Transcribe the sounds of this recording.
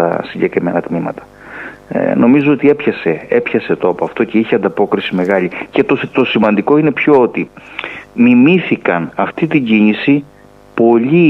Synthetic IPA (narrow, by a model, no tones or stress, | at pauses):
ɐ̰siɲɟe̞kɾime̞nɐt̪mimɐt̪ɐ̥̰ | no̞mizoot̪ie̞pçɐse̞epçɐse̞t̪opoɐft̪o̞ce̞içeɐnd̪ɐpo̞kɾisime̞ɣɐʎice̞t̪ost̪o̞simɐnd̪iko̞ine̞pço̞ot̪i | mimiθikɐnɐft̪it̪iɲɟinisi | po̞ʎi